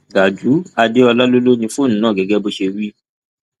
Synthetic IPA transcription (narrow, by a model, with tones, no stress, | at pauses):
ɡa˨d͡ʒu˨˦a˧de˦ɔ˧la˦lo˦lo˦nĩ˧fo˦˨nũ˨˦nãː˦˨ɡɛ˨ɡɛ˦bo˧ʃe˧wi˦